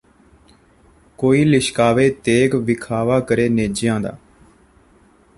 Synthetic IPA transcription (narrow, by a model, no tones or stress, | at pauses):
koːiːlɪʃkaːʋeːt̪eːɡʋɪkʰaːʋaːkəɾeːneːd͡ʒɪjãːd̪a̰ː